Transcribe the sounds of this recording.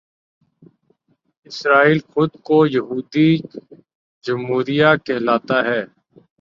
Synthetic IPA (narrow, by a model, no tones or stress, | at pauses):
ɪsɾaːiːlxʊd̪kojɐɦuːd̪i | d͡ʒʊmɦuːɾijakeːlaːt̪aɦɛː